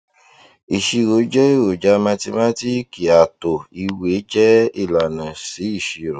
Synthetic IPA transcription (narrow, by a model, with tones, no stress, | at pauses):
i˨ʃi˧ɾo˨˦d͡ʒɔ˦e˦˨wo˨d͡ʒa˧˦mã˧ti˧ma˦ti˦ki˨a˨to˨i˧we˨˦d͡ʒɛ˦i˦˨la˨nã˨si˨˦i˦˨ʃi˧ɾo˨